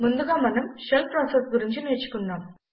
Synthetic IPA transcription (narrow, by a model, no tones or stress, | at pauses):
mund̪uɡaːmɐnɐmʃelpɾaːsesɡuɾiɲt͡ʃiniːt͡ʃu̥kunːaːm